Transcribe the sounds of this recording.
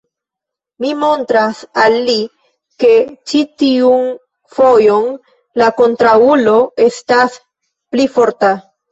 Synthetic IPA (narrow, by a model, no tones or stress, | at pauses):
mimo̞ntɾasalːi | ke̞t͡ʃitiun | fo̞jo̞n | lako̞ntɾaulo̞e̞stas | plifo̞ɾta